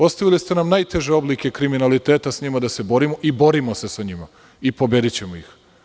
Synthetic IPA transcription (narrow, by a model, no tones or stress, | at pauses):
o̞st̪aʋilist̪e̞namnajt̪e̞ʒe̞o̞blike̞kɾiminalit̪e̞ːt̪asɲimad̪ase̞bo̞ɾimo̞ʔibo̞ɾimosesaɲima | ipo̞be̞d̪it͡ɕe̞moix